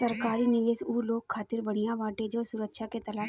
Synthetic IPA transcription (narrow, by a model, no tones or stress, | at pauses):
sɐɾkaːɾinɪʋeːsuːloːɡʰaːt̪ɪɾbɐɽ̃ijaʋaːʈed͡ʒoːsʊɾəkʃaket̪ɐlaː